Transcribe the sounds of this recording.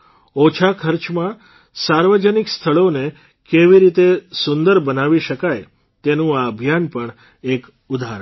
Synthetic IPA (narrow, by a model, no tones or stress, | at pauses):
ot͡ʃʰakʰəɾt͡ʃmã | saɾʋəd͡ʒənikst̪ʰəɭone | keʋiɾit̪esʊnd̪əɾbənaʋiʃəkaj | t̪enũaəbʱjanpəɳ | ek | ud̪ʱaɾə